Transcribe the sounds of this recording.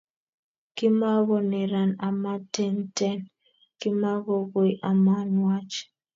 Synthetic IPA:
kɪ˦ma˦ɣɔ˨nɛ˨ɾa˨na˨ma˦tɛ˦ntɛ˦n | kɪ˦ma˦ɡɔ˨ɡo˨jʔa˨ma˦nwa˦t͡ʃ

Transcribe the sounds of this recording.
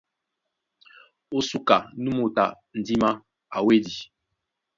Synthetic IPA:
o˦su˦ka˨nu˦mo˨ta˨ | n̩˨di˦ma˦ | a˨we˦di˨

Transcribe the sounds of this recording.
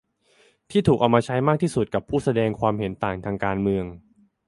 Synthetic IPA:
t̪ʰiː˥˩t̪ʰuː˨˩k̚ʔa˧wmaː˧t͡ɕʰa˦˥jmaː˥˩k̚t̪ʰiː˥˩su˨˩t̪̚ka˨˩pʰːuː˥˩sa˧dɛː˧ŋkʰwaː˧mɦe˩˦nt̪aː˨˩ŋt̪ʰaː˧ŋkaː˧nmɯ˧əŋ

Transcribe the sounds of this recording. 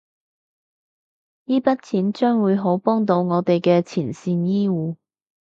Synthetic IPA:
jiː˥pɐ˥t̚t͡sʰiː˨˥nt͡ʃœː˥ŋwuː˨˧jɦo˨˥wpɔː˥ŋt̪o˨˧wŋɔː˨˧t̪e˨jkɛː˧t͡sʰiː˨˩nsiː˧njiː˥wuː˨˧

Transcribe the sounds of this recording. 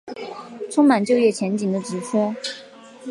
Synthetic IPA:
ʈ͡ʂʰʊ˥ŋma˨˩nt͡ɕjo˥˧ʊjɛ˥˩t͡ɕʰjɛ˧˥nt͡ɕi˨˩ŋd̪ə˦ʈ͡ʂɻ̩˧˥ʈ͡ʂʰɤ˥

